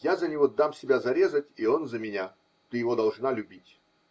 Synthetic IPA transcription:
jazənʲɪvod̪amsʲɪbʲazɐɾʲe̞zətʲio̞nzəmʲɪnʲa | t̪ɨjɪvod̪ɐlˠʐnalʲʉbʲitʲ

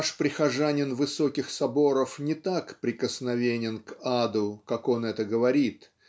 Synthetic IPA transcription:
ʂpɾʲɪxɐʐanʲɪnvɨso̞kʲɪxsɐbo̞ɾəfnʲɪt̪akpɾʲɪkəsnɐvʲenʲɪnkad̪ʊkako̞nɛt̪əɡəvɐɾʲit̪

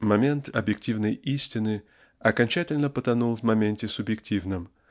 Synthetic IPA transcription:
mɐmʲe̞nt̪ɐbjɪk̚tʲivnəjisʲtʲɪnɨ | ɐkɐnʲt͡ɕætʲɪlʲnəpət̪ɐnulˠvmɐmʲenʲtʲɪsʊbjɪk̚tʲivnɨm

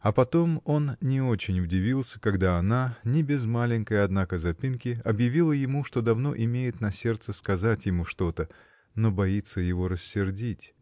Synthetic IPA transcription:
ɐpɐt̪o̞mo̞nnʲɪo̞t͡ɕɪnʲʊdʲɪvʲilˠsʲə̥kɐɡd̪aɐnanʲɪbʲɪzmalʲɪnʲkəjɐd̪nakəzɐpʲinkʲɪɐbjɪvʲilˠəjɪmuʂt̪o̞d̪ɐvno̞̰ʔɪmʲejɪt̪nɐsʲe̞rt̪səskɐzatʲjɪmuʂt̪o̞t̪ə | no̞bɐit̪səjɪvo̞ɾəsʲːɪrdʲitʲ

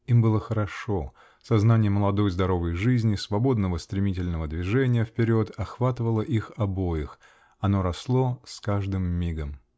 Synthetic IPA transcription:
imbɨlˠəxəɾɐʂo̞ | sɐznanʲɪjəməlˠɐd̪o̞jzd̪ɐɾo̞vəjʐɨzʲnʲɪsvɐbo̞d̪nəvəst̪ɾʲɪmʲitʲɪlʲnəvəd̪vʲɪʐɛnʲɪjəfpʲɪɾʲo̞t̪ɐxvat̪əvəlˠəʔixɐbo̞jɪx | ɐno̞ɾɐslˠo̞skaʐd̪ɨmːʲiɡəm

